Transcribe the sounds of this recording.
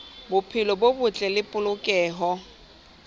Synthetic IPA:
bʊpʰɪlɔbobʊt͡ɬʼɛlɪpʼʊlʊkʼɛːɦɔ

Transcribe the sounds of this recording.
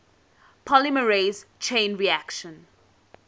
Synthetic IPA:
pʰɔliməɹeːzt͡ʃʰẽnɹiækʃə̃n

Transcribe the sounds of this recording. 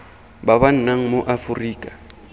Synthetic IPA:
baban̩naŋ̩moʔafʊriːkʼa

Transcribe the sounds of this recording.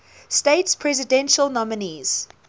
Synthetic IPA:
steɪtspʰɹɛzɪdɛ̃nʃəlˠnɔmɪniz̥

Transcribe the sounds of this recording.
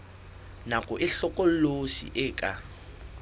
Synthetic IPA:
nakʼʊʔɪɬɔkʼol̩losḭʔɪːkʼa

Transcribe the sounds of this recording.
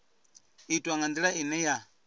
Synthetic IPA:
itʼaŋand̪iɺainɛja

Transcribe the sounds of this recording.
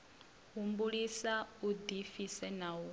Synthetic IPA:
ɦumbuɺisaud̪ifisɛnawu

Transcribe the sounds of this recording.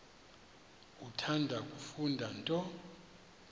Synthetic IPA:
kʼutʰandʱakʼufundʱantʼɔ

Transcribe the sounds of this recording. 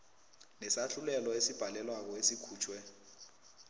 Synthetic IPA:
nɛsaɬulɛlɔesib̥ʱalɛlwak̬ɔesikʰuːt͡ʃʰwɛ

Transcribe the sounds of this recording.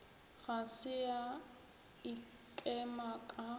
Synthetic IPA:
ɣasɪa | i | kʼɛmakʼa

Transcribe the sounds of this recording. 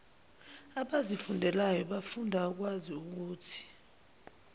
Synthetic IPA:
aɓazifundʱɛlajɔɓafundʱak̬waziuk̬uːtʰi̥

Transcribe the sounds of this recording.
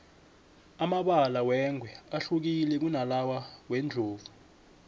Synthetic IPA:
amaɓalawɛŋʱwɛaɬuk̬ilɛk̬unalawawɛnd͡ɮʱoːvu

